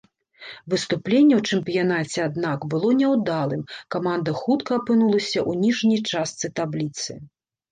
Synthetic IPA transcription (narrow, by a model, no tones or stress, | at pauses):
vɨst̪uplʲenʲːɛwt͡ʂɨmpʲijanat͡sʲɛad̪nakbɨlˠɔnʲɛwd̪alˠɨmkamand̪ɐxut̪kɐapɨnulˠɐsʲɐʔunʲiʐnʲɐjt͡ʂast̪sɨt̪ablʲit̪sɨ̰